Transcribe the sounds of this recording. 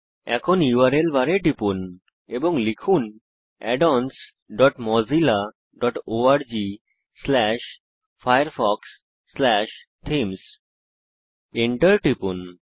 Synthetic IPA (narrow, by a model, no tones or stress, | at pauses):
ɛ̰kʰoniwaɾelbaɾeʈipun | eboŋlikʰun | ɛ̰ɖɔns | ɖɔʈmɔd͡ʑila | ɖɔʈoaɾd͡ʑi | slɛʃ | fajəɾfɔksː | lɛʃ | ʈʰems | eɳʈəɾʈipun